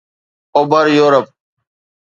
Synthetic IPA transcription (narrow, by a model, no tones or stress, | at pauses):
oːbəɾjoːɾəp̚